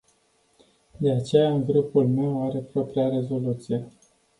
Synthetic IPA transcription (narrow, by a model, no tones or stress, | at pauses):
d̪e̞at͡ʃe̞jaɨŋɡɾupulme̞waɾe̞pɾo̞pɾiaɾe̞zo̞lut̪sije̞